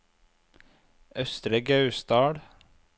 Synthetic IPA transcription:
œst̪ɾəɡɑʉst̪ɑːɽ

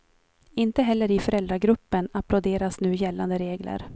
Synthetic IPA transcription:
ɪnt̪əɦɛlːəɾɪfœɾɛld̪ɾaɡɾɵpːənaplod̪eːɾasnʉ̟ːjɛlːand̪əɾeːɡlə̰ɾ

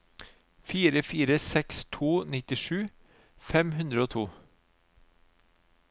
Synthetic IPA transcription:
fiːɾəfiːɾəsɛkst̪ʰuːnɪt̪ɪʂʉː | fɛmɦʉnd̪ɾəoːt̪ʰuː

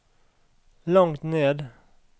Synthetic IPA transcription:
lɔŋt̪neːd̪

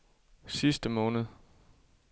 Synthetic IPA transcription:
sisd̥əmɔ̽ːnð̞̩ˠ

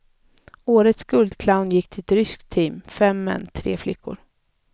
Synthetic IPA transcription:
oːɾət̪sɡ̥ɵld̪kʰlaʊnjɪkːt̪ʰɪlɛt̪ɾʏskt̪ʰiːmfɛmːɛ̰nːt̪ʰɾḛːflɪkːʊ̰ɾ

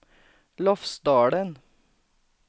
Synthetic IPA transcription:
lɔfsd̪ɑːɽən

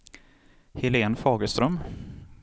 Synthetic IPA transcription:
hɪleːnfɑːɡəst̪ɾœm

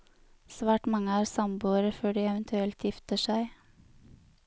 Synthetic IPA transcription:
sʋæːʈmɑŋəæːɾsɑmbuːəɾəføːɖiːɛʋənt̪ʰʉɛlt̪jɪft̪əʃæɪ

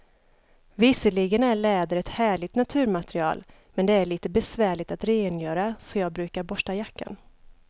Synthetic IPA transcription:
vɪsəɭɪɡənæɭɛːd̪əɾɛt̪hæːɭɪt̪nat̪ʰʉ̟ːɾmat̪ɾɪɑ̰ːl | mɛnd̪ɛæɭiːt̪əbɛsvæːɭɪɡ̚t̪at̪ɾeːənjœːɾasɔjɑːɡ̚bɾʉ̟ːkaɾbɔʂʈajakːa̰n

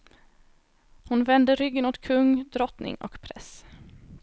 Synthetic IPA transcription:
hʊnvɛnd̪əɾʏɡːənʊːt̪kʰɵŋːd̪ɾɔt̪nɪ̰ŋɔ̰kpʰɾɛs

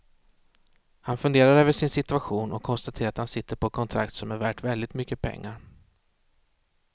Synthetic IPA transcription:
hanfɵnd̪eːɾaɾøːvəʂɪnsɪt̪ɵaɧuːnʔɔkʰːɔnst̪at̪ʰeːɾat̪hansɪt̪ʰːəɾpʰɔɛkʰɔnt̪ʰɾa̰kt̪sɔmæɾvæːʈvɛld̪ɪt̪mʏkːəpʰɛ̰ŋːaɾ

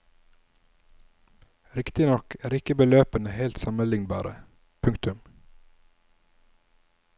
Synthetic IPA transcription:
ɾɪkt̪ɪnɔkʰæːɾɪkəbəløːpənəheːlt̪sɑməlɪŋnbɑ̰ːɾə̰ | pʰʉŋkt̪ʉm

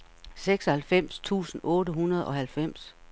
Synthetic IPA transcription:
seɡ̥sɒ̽hælfem̰st͡sʰṵːsn̩ɔ̽ːɾəɦunɐð̞ˠɒ̽ɦælfem̰s

